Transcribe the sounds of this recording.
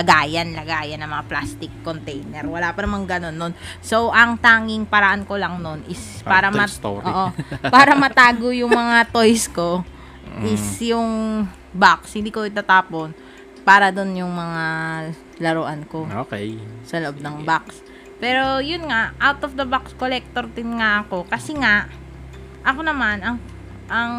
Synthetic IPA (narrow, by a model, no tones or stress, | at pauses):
lɐɡaːjɐnlɐɡaːjɐnːɐŋmɐŋaplast̪ɪkːont̪ɛjnɛɾwɐlaːpɐnɐmaŋɡɐno̞nːonso̞wʔɐŋt̪aːŋɪŋpɐɾɐʔanko̞lɐŋno̞nʔɪsppaːɾɐmɐʔoːʔopaːɾɐmɐt̪aːɡojʊŋmɐŋat̪o̞jsko̞ | ʔɪsjʊŋ | bakshɪ̃nd̪iːkoɪt̪aːt̪aːpo̞n | paːɾɐd̪onjʊŋmɐŋa | lɐɾoʔanko̞osɐloʔob̚nɐŋbaks | pɛːɾo̞jʊnŋaʔʔawt̪ofd̪ɐbakskolɛk̚t̪oɾd̪ɪnŋaʔɐko̞kɐsɛŋaʔ | ʔɐkonɐmanɐŋ | ʔɐŋ